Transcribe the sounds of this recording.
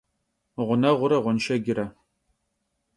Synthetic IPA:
ʁʷʊnɐʁʷʊɾɐʁʷʊnʃɐɡʲɪɾɐ

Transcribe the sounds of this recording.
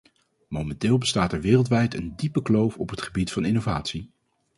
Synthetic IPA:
mowmɛntɪːlˠbəstaːtɛɹʋɪːrəlˠtʋɛjtəndipəklowfɔpɦətχəbitfɑnɪnova̰ːtsi

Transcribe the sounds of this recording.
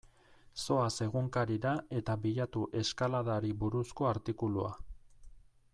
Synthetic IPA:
so̞ase̞ɣuŋkaɾiɾae̞t̪aβiʎat̪uʔe̞skalaðaɾiβuɾusko̞aɾt̪ikulua̰

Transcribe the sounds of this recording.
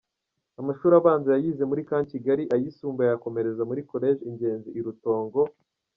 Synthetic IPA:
amaʃuːɾaβaːnzajajiːze̞muɾikaːɲciɡaɾiʔajisuːmbajako̞me̞ɾe̞zamuɾiko̞ɾe̞ːʒiɲɟe̞ːnziːɾuto̞ːŋɡo̞

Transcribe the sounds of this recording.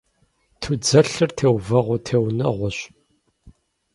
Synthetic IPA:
tʰud͡zɐɬɨrtʰeːwvɐʁʷʊtʰeːwnɐ̰ʁʷʊɕ

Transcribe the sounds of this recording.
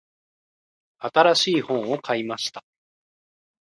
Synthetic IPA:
at̪aɾaɕiːhõ̞ɰ̃o̞kʰaimaɕi̥t̪ḁ

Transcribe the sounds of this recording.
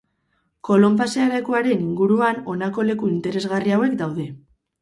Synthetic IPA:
ko̞lo̞mpasealekuaɾe̞niŋɡuɾuano̞nako̞le̞kuint̪e̞ɾe̞zɣariawe̞kd̪awðe̞

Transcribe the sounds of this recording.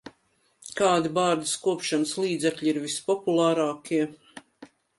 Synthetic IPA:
kaːd̪ibaːɾd̪iskuɔpʃanslˠiːd̪zɛkʎʲiɾvispɔpulˠaːɾaːkiɛ

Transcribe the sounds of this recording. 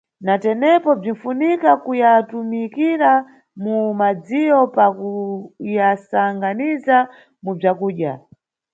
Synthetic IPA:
natɛnɛpɔb͡ʐin̩funikakujatumikiɾa | mumad͡zijɔpakujasaŋɡaniza | mub͡ʐakuːɗja̰

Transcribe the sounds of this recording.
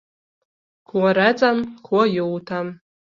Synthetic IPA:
kʷʰwaɾat͡sʼamkʰʷwajowtʰam

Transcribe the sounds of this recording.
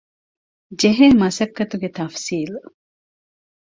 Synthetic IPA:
d͡ʒeɦeːmɐsɐkːɐt̪uɡet̪ɐfsiːl

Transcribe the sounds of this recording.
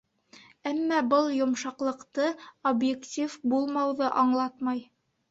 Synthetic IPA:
æmːɑbɤlˠjŏmʃɑqlˠɤ̆qt̪ɤobjektʲifbulˠmɑwðɤʔɑɴlˠɑt̪mɑj

